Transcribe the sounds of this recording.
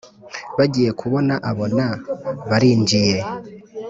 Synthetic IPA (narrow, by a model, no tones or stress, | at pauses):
βaɟije̞kʰuβo̞naʔaβo̞naβaɾiːnd͡ʒije̞